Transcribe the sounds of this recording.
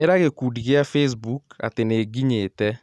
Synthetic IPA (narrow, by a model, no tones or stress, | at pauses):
eɾaɣekuːdiɣeafes̬buka̰teneːɡiɲeːtɛ